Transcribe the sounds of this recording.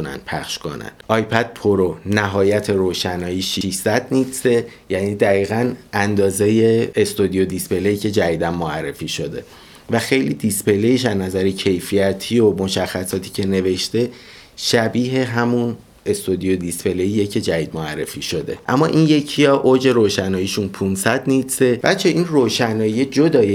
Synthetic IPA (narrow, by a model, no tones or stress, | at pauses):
unæ̰npʰæxʃko̰næ̰nʔɒːjpʰæd̪̥̚pʰoɾonæɦɒːjæt̪ʰe̞ɾoːʃænɒːjiːʃiiʃsæd̪nitsejæniːd̪æɣiːɣænʔænd̪ɒːzeje̞ːst̪od̪ijod̪ispelejicʰe̞d͡ʒæd̪iːd̪ænmoærːe̞fiːʃo̞d̪e̞̰ | væxe̞jliːd̪ispe̞lejiʃæznæzæɾecʰe̞jfijæt̪ʰiːomo̞ʃæxːæsɒːt̪ʰi̥ːcʰe̞ne̞ve̞ʃt̪e̞ | ʃæbiːɦe̞ɦæmun | e̞st̪od̪ijod̪ispe̞leijecʰe̞d͡ʒæiːd̪̚moærːe̞̰fiːʃo̞d̪e̞̰ʔæ̰mːɒːʔiːnje̞cʰijɒːʔod͡ʒe̞ɾoːʃænɒːjiʃunpʰunsæd̪nit̪se̞væ̰t͡ʃʰeʔinroːʃænɒːjied͡ʒod̪ɒːje